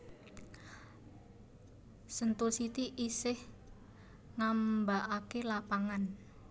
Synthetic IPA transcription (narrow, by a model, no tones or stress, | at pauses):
sənt̪ulsit̪iʔisɪh | ŋambaʔakelapaŋan